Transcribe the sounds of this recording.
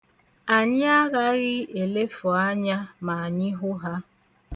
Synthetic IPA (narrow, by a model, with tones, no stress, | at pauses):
a˨ɲɪ˦a˦ɣa˦ɣɪ˦e˨le˦fʊ˨a˦ɲa˦ma˨a˨ɲɪ˦ɦʊ˦ɦa˦